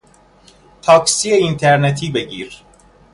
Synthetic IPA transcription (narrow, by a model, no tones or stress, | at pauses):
t̪ʰɑksijɛint̪ʰeɾnet̪ʰibeɟiɾ